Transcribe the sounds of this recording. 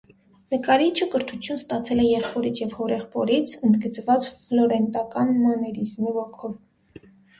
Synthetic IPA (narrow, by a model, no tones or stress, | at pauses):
nəkɑɾit͡ʃʰəkəɾt̪ʰut͡sʰjunst̪ɑt͡sʰɛlɛjɛχpɔɾit͡sʰjɛvhɔɾɛχpɔɾit͡sʰənd̪ɡət͡svɑt͡sflɔɾɛnt̪ɑkɑnmɔnɛɾizmivɔkʰɔv